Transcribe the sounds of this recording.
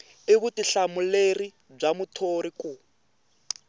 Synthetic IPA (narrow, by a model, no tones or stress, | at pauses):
eɣutiɬamuleri | b͡ʐamutʰoɾiku